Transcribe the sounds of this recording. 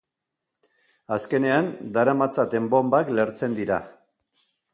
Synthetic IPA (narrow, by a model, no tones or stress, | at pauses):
aske̞ne̞and̪aɾamat͡sat̪e̞mbo̞mbakle̞ɾt͡se̞nd̪iɾa̰